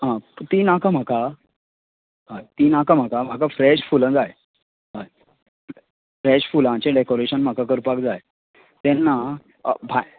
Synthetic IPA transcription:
ɦãt̪iːnakam̤aka | ɦãt̪iːnakam̤akam̤akafɾɛɕfulə̃d͡zaj | ɦã | fɾɛɕfulãt͡ɕeɖekoɾeɕənm̤akakəɾpakd͡zaj | t̪ɛ̃nːa | bʱa

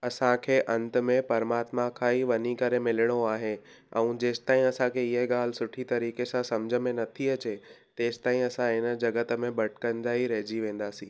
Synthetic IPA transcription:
ɐsãkʰeːʔɐ̃nt̪ə̆mẽpɐɾmaːt̪mãkʰaːiʋɐɲikɐɾemɪlɪɽ̃oaːɦe | ɛ̰̃ũd͡ʑeːsɪ̥t̪aːɦĩɐsãkʰeɪɦeɠaːl̤ɪ̆sʊʈʰit̪ɐɾiːkesãsɐmd͡ʑʱəmẽnɐt̪ʰiɐt͡ɕet̪eːsɪ̥t̪aːɦĩɐsãɦɪnə̆d͡ʑɐɡət̪ə̆mẽbɐʈʰɪ̥kɐ̃nd̪aːiɾɐɦd͡ʑiʋẽːn̆d̪aːsĩː

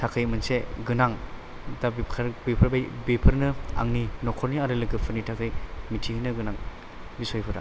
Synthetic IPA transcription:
tʰakʰɯjmɯnseɡɯnaŋ | dabikʰaɾbepʰɯɾbajbepʰɯɾnɯa̰ŋninɔkʰɔɾniaɾɯlɯɡɯpʰɯɾnitʰakʰɯjmitʰihinɯɡɯnaŋ | bisojpʰɯɾa̰

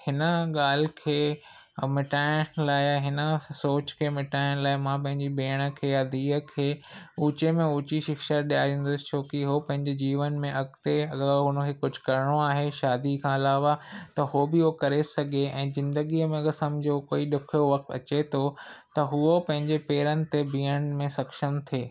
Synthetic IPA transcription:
hɪnə̆ɠaːl̤ɪkʰeː | mɪʈaːɪəɽlaːɪɦɪnəsoːt͡ɕkʰeːmɪʈaːɪɽ̃laːɪmãːpɐ̃ɦɪ̃ɲd͡ʑibeːɽ̃ə̆kʰeːjad̪iːə̆kʰeːuːt͡ɕemẽuːt͡ɕiʃɪkʃəɾɗijaːẽːnd̪ʊst͡ɕʰoːkiɦopɐ̃ɦɪ̃ɲd͡ʑed͡ʑiːʋənmẽʔɐɡt̪eɐɡəɾɦʊnə̆kʰeːkʊd͡ʑʱkɐɾɪɽ̃oaːɦeʃaːd̪ikʰãːɐlaːʋat̪ɐɦobɪɦokɐɾesɐɡʱeɛ̃ːzɪ̃nd̪əɡiːəmẽɐɡəɾsɐmd͡ʑʱokoːiɗɪkʰijoʋɐk̚t̪ɐ̰t͡ɕet̪ʰot̪ɐɦʊopɐ̃ɦɪ̃ɲd͡ʑepeːɾənɪ̆t̪ebʱiːəɽ̃mẽsɐkʃəmt̪ʰeː

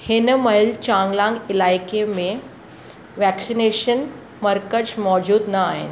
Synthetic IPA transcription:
hɪnəmɐɦɪlt͡ɕãːŋɡlãŋɡɪlaːjkemẽ | ʋɛksineʃən | məɾkət͡ɕmɔːd͡ʑuːd̪nɐaːɦɪ̰n̆

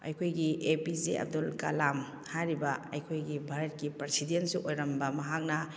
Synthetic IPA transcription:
ɐ̰jkʰojɡiepiziɐ̰b̚dulkɐlam | hajɾibɐɐ̰jkʰojɡibʱaɾɐt̚kipɾesidentsuʔojɾɐmbɐmɐɦak̚nɐ

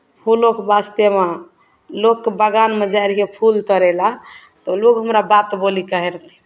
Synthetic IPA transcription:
pʰulokbast̪ema | lokːebəɡanmed͡ʒajɾkepʰult̪əɾɛla | t̪ɔlokɦəmɾabat̪bolikəɦɛɾt̪ʰi̥

